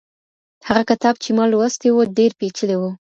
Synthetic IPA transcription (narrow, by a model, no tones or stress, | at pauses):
haɣakat̪ɑb̚t͡ʃemɑlwəst̪ewoɖeɾpet͡ʃəlewu